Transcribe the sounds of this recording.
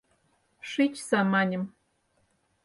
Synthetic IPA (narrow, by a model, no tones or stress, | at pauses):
ʃit͡ɕsɑmɑnʲə̆m